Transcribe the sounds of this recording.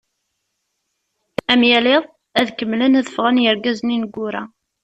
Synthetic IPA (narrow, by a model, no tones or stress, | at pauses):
æmjæleðˤ | æðkəmːlənæðəfʁænjəɾɡæzninəɡʷːʊɾæ̰